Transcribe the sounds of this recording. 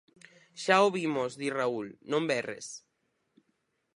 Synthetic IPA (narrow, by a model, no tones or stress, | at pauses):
ʃaoβimozðiraulnõmbɛrḛs